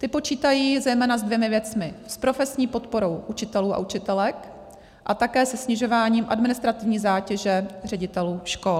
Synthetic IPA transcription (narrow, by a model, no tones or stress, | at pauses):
t̪ɪpo̞t͡ʃiːt̪ajiːzɛjmɛːnazdvjɛmɪvjɛt͡smɪspɾo̞fɛsɲiːpo̞t̪po̞ɾo̞wʔut͡ʃɪt̪ɛluːʔa̰ʔut͡ʃɪt̪ɛlɛk | ʔat̪akɛːsɛsɲɪʒo̞vaːɲiːmʔadmɪnɪst̪ɾat̪ɪvɲiːzaːcɛʒɛrɛɟɪt̪ɛluːʃkol